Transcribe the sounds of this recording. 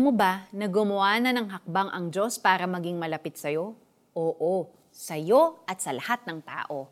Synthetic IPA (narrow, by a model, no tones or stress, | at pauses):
ɐmobanɐɡʊmʊaːnɐnɐŋɦɐk̚baŋʔɐŋd͡ʒo̞spaːɾɐmɐɡiŋmɐlɐpɪt̪̚sɐjo̞ | ʔoːʔo | sɐjo̞ʔɐt̪̚sɐlɐhat̪̚nɐŋt̪a̰ːʔo̞